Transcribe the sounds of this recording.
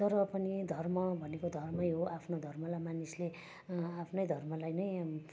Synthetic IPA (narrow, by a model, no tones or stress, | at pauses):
t̪ʌɾʌpʌnid̪ʱʌrmʌbʱʌnekod̪ʱʌrmʌjɦoʔapʰnod̪ʱʌrmʌlamanisle | apʰnʌjd̪ʱʌrmʌlajnʌj